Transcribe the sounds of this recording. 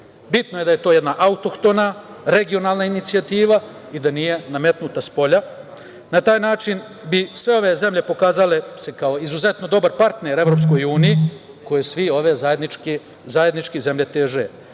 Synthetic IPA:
bit̪noje̞d̪aje̞t̪o̞ːjed̪naʔaut̪okt̪onaɾe̞ɡio̞naːlˠnainit̪siat̪iːʋa | id̪anije̞name̞t̪nut̪aspo̞ʎa | nat̪aːjnaːt͡ʃin | bisʋe̞o̞ʋe̞ze̞mʎe̞po̞kaːzale̞sekao̞izuze̞t̪no̞d̪o̞baɾpaɾt̪neɾe̞ʋɾops̬ko̞juːniji | ko̞jesʋio̞ʋe̞zajed̪nk | zajed̪nit͡ʃkize̞mʎe̞t̪eːʒe

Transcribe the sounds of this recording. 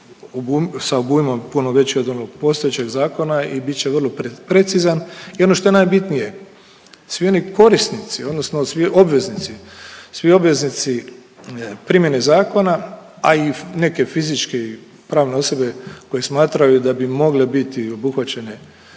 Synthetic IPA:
obusaobuimo̞mpunoʋe̞t͡ɕiod̪o̞noɡ̚po̞st̪o̞jet͡ɕe̞ɡzaːko̞naibit̪̚t͡ʃeʋərlˠoppɾe̞t̪sizanio̞no̞ʃt̪o̞jenaːjbit̪nije | sʋio̞niko̞ɾist̪nit̪sio̞d̪nosnosʋio̞bʋe̞znit̪sisʋio̞bʋe̞znit̪si | pɾimje̞nezaːko̞na | aine̞ke̞fizit͡ʃkei | pɾaːʋne̞o̞so̞be̞ko̞jesmaːt̪ɾajud̪abimo̞ɡlebit̪io̞buxʋat͡ɕe̞ne

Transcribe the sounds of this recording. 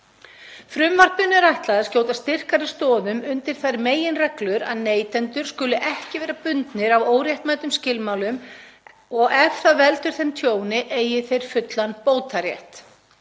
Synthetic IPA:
fɾʏmvar̥pʏnʏɾajht̪laðascoːw̪t̪ast̪ɪr̥kaɾɪst̪ɔːðʏmʏnt̪ɪɾ̥θaɾmeːjɪnrɛklʏɾa̰ðneːjt̪ɛnt̪ʏɾ̥skʏlʏʔɛhcɪvɛːɾapʏnt̪nɪɾavoːwɾjɛht̪maːjt̪ʏmscɪlmawlʏm | ɔɣɛfθavɛlt̪ʏɾ̥θejnt̪ʰjoːwnɪʔeːjɪθejɾ̥fʏt̪lanpoːwt̪aɾjɛ̰ht̪

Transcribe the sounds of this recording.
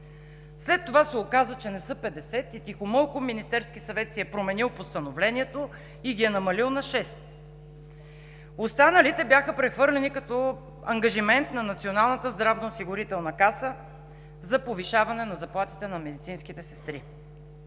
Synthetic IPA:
slɛt̪ːovasɛokazət͡ʃɛnɛsɤpɛd̪ɛsɛt̪it̪ixomɤlˠkominist̪ɛɾskisɐvɛt̪siɛpɾomɛnilˠpost̪ɐnovlɛnʲiɛt̪o | iɡʲiɛnɐmɐlilˠnɐʃɛst̪̚ | ost̪anəlit̪ɛbjaxəpɾɛxvɤɾlɛnikɐt̪ɔ | ɐŋɡɐʒimɛnt̪nɐnɐt̪sionalˠnət̪əzd̪ɾavnɐosiɡʊɾit̪ɛlˠnɐkasə | zɐpoviʃavɐnɛnɐzɐplˠat̪it̪ɛnɐmɛd̪it̪sinskit̪ɛsɛ̥st̪ɾi

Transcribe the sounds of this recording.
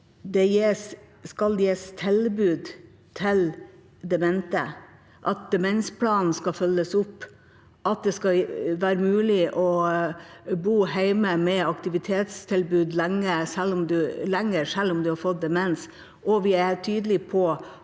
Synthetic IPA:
d̪ɛjeːs | kɑljeːst̪ʰɪlbʉːd̪ | t̪ʰɪl | d̪ɛmɛnt̪ə | ʔɑt̪̚d̪ɛmɛnspʰlɑːnn̩skɑfœlːəsʊpː | ʔɑt̪̚d̪ɛskɑʋæːɾəmʉːlɪʔɔ | buːhæɪməmɛɑkt̪ɪʋɪt̪ʰeːt̪st̪ʰɪlbʉːd̪læŋːəsɛlːʊmd̪ʉlɛŋːəɾʂælːʊmd̪ʉhɑɾfɔt̪̚d̪ɛmɛns | ʔɔʋɪæt̪ʰyːd̪əlɪpʰɔ

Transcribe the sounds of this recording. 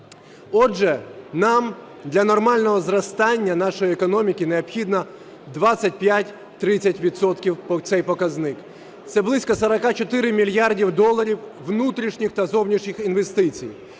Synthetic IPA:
ɔd͡ʒɛnɑm | d̪lʲɐnɔrmɑlʲnɔɦɔzrɐst̪ɑnʲːɐnɑʃɔjiekɔnɔmʲikʲineɔbxʲid̪nɐ | d̪ʋɑsʲɐt̚ʲpjatʲ | t̪ɾɪt͡sʲːɐtʲʋʲid̪sɔt̪kʲiwt̪sɛjpɔkɐznɪk | t̪sɛblˠɪsʲkɔsɐɾɐkat͡ʃɔt̪ɪɾɪmʲilʲjardʲiwd̪ɔlˠːɐɾʲiwʋnut̪ɾʲiʃnʲixt̪ɐzɔwnʲiʃnʲixinʋest̪ɪt͡sʲij

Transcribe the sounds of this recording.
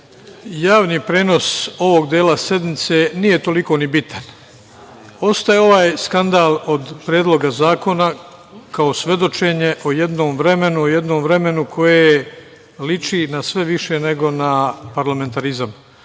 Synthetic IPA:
jaːʋniːpɾe̞ːno̞so̞ʋo̞ɡd̪jeːlasje̞d̪nit̪se̞ːnije̞t̪o̞liko̞ːnibit̪ʰan | o̞st̪ajeo̞ʋaːjskand̪aːlo̞d̪pɾjeːd̪lˠo̞ɡazaːko̞na | kao̞sʋe̞d̪o̞t͡ʃe̞ɲe̞ʔoje̞d̪noːmvɾe̞me̞nuoje̞d̪no̞ːmvɾe̞me̞nukʰo̞je | lit͡ʃinasʋe̞ʋiʃe̞ne̞ɡo̞napaɾlame̞nt̪aɾizam

